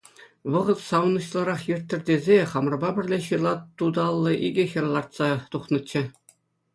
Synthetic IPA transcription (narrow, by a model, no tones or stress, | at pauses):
ʋɤ̆ʁɤ̆t̪sɑwnɤ̆ɕlˠɤ̆ɾɑχjɘ̆rʲt̪ʲːɘ̆rʲd̪ʲezʲeχɑmrɤ̆bɑbʲɘ̆rʲlʲeɕɯlˠɑt̪ːud̪ɑlˠːɤ̆ʔiɡʲɘ̆xʲɤ̆rlˠɑrt̪sɑt̪uχnɤ̆t͡ɕːɘ̆